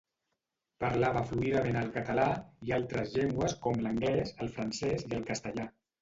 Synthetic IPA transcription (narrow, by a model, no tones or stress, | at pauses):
pəɾlaβəfluiðəmenəlˠkət̪əlaialˠt̪ɾəzʎeŋɡwəskɔmləŋɡlɛzəlˠfɾənsɛziəlˠkəst̪əʎa